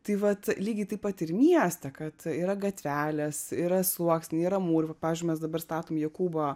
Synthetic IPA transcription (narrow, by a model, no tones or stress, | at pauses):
t̪ɐɪʋɐt̪lʲiːɡʲɪt̪ɐɪpɐt̪ɪɾmʲiɛsʲt̪ʲɛkɐt̪iːɾɐɡɐt̪ʲʋʲæːlʲɛsiːɾɐsˠuɔksʲnʲiɾɐmuːɾʲʊpɐpɑːʋʲɪzʲd͡ʒʲʊmʲɛsd̪ɐbɐrst̪ɑːt̪oːmjɛkuːboː